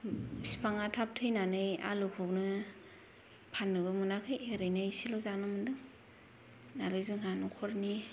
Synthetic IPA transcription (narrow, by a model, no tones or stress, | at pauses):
si̥pʰaŋatʰap̚tʰɯjnanɯja̰lɯkʰɯwnɯ | pʰanːɯbɯmunakʰɯjeɾɯjnaisilɔzanɯmɯndɯŋ | naɾɯjzɯŋanukʰɔɾni